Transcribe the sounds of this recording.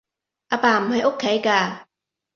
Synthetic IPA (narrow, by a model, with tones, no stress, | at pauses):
ʔaː˧paː˧m̩˨˩hɐ˨˥jʔo˥kʰːe˨˥jkaː˧